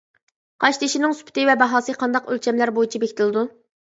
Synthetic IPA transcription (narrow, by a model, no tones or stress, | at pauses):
qʰɑʃt̪ʰɪʃinɪŋsy̥pʰt̪ɪvɛbɑɦɑːsɨqʰɑnd̪ɑqølt͡ʃʰɛmlæɾbojit͡ʃʰibekʲt̪ʰɪlˠɨd̪u